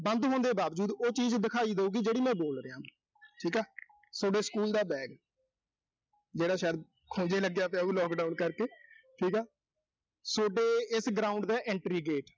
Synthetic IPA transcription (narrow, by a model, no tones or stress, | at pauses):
bənd̪ɦõːnd̪eːbaːʋd͡ʒuːd̪oːt͡ʃiːd͡ʒd̪ɪkʰaːiːd̪əuːɡiːd͡ʒeːɽiːmɛ̃ːboːlɾeãː | ʈʰiːkɛː | soːɖeːskuːld̪aːbɛːɡ | d͡ʒeːɽaːʃaːd̪ | kʰõːd͡ʒeːləɡejaːpɛũːlɔːkɖaːunkəɾkeːʈʰiːkɛː | soːɖeːɪsɡɾaːʊ̃ɳɖd̪aːʔɛ̃ɳʈɾiːɡeːʈ